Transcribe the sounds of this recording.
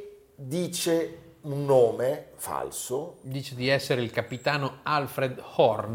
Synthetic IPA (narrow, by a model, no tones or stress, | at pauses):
d̪iːt͡ʃe | unːoːmefa̰lsod̪iːt͡ʃed̪iɛsːeɾeilkapit̪aːnoalfɾed̪hɔrn